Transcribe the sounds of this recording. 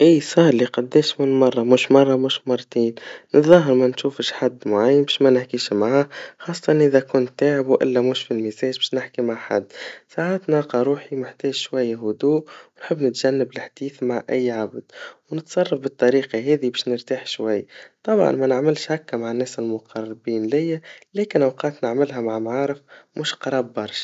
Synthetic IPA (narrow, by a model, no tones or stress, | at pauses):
ʔiːsˤɑːɾˤliqɑd̪ːɛːʃmɪnmɑrˤːɑmuːʃmɑrˤːɑmuːʃmɑrˤːt̪iːnnət̪ðˤɑɦəɾˤmænʃuːfəʃħad̪ːmʊʕajːənbɛːʃmænɪħkiːʃmʕaxɑːsˤːɑ̥t̪ɑnʔɪðækʊnt̪ːaːʕɪbwʔɪ̰lːæmuːʃfilmizɛːʒbɛːʃnɪħkimaʕħa̰d̪ːsaʕat̪nɑqɑɾˤuːħimɪħt̪ɛːʒʃwæjːaɦʊd̪uːʔwnħəbːnɪt̪ʒ̥ænːəbɪlħd̪̥iːθmaʕʔæjːʕabd̪̥wnɪt̪sˤɑrˤːɑfbət̪ˤːɑɾiːqɑɦɛːðibɛːʃnəɾt̪aːħʃwajːt̪ˤɑbʕɑ̰nmɛnəʕmɪlʃhakːæmaʕanːɛːsɪlmʊqʰɑrˤːɪbiːnlɪjːælɛːkɪnʔawqɑːt̪nɪʕmɪlɦæmaʕmʕaːɾɪfmuːʃqɑɾˤɑːbːɑɾˤʃ